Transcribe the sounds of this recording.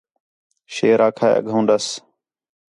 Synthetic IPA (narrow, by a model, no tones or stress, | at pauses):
ʃeːɾaːkʰaːḛʔə̰ɠʱõũːnd̪əs